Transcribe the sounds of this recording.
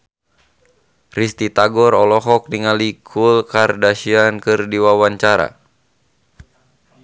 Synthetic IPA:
rist̪it̪aɡɔɾɔlɔɦɔk̚niŋalikʰulkardaʃiankɨrdiwawaɲt͡ʃaɾa̰

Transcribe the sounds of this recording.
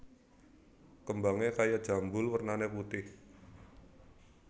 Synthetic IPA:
kəmbaŋekajad̥ʒ̥a̤mbʊlwərnaneput̪ɪh

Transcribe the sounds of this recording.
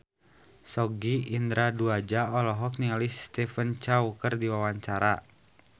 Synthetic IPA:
sɔɡiind̪ɾaduad͡ʒaɔlɔɦɔk̚nialist̪ɛfənt͡ʃaukərdiwawaɲt͡ʃaɾa

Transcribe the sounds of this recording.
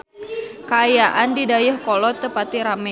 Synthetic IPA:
kaːjaʔandidajʊhkɔlɔt̪əpat̪iɾamɛ

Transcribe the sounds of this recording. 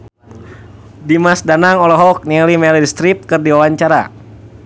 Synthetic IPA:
dimasdanaŋɔlɔɦɔk̚nialimɛldist̪ɾip̪̚kɨrdiwawaɲt͡ʃaɾa̰

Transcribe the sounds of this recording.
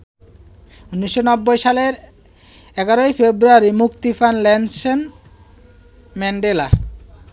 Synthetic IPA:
unːiʃːonɔbːojʃaleɾ | ɛɡaɾojfebɾuaɾimukt̪ifanlɛnsen | mɛɳɖela̰

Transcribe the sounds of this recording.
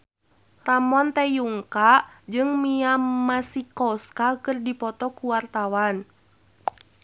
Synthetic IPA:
ramɔnt̪ɛjuŋkad͡ʒɨŋmiamasikɔskakɨrdipɔt̪ɔkuwart̪awan

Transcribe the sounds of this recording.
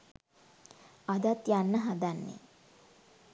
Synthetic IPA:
ad̪at̪janːəɦad̪anːḛ

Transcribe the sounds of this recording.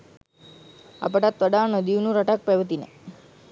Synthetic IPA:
a̰pəʈat̪ʋəɖanəd̪iʋnũɾəʈak̚peʋət̪inḛ

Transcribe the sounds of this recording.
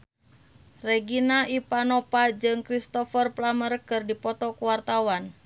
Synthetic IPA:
reɡinaʔipanɔpad͡ʒɨŋkɾist̪ɔfərplamərkɨrdipɔt̪ɔkuwart̪awan

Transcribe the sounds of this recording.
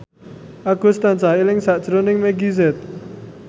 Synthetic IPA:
ʔaɡ̥ʊ̤st̪ant͡ʃaɦilɪŋsad̥ʒ̥ɾonɪŋmeɡizɛt̪̚

